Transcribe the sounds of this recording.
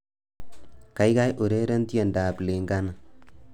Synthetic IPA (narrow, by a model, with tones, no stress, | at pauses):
ka˦jka˦jʔo˨ɾe˦ɾɛ˦ntjɛ˨ndaː˨ple˨ŋɡa˦na˨